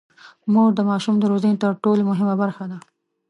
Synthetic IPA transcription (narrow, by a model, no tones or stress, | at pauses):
muɡd̪əmɑʃumd̪əɾozənet̪əɾʈolemʊɦɪmabaɾxad̪a